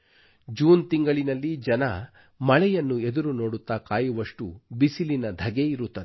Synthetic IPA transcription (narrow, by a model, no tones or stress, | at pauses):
d͡ʒuːnt̪iŋɡɐɭinɐlːid͡ʒɐnɐ | mɐɭɛjɐnːue̞d̪uɾuno̞ːɽut̪ːaːkaːjuʋɐʂʈubisilinɐd̪ʱɐɡeiɾut̪ːɐd̪ɛ